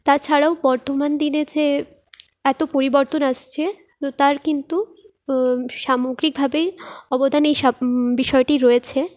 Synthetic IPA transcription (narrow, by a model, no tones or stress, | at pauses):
t̪at͡ɕʰaɽaobɔɾt̪omand̪ined͡ʑe | ɛt̪opoɾiboɾt̪onaʃt͡ɕʰe | t̪ot̪aɾkint̪u | ʃamoɡɾik̚bʱabejɔbod̪ʱanejʃabiʃɔeʈiɾoet͡ɕʰe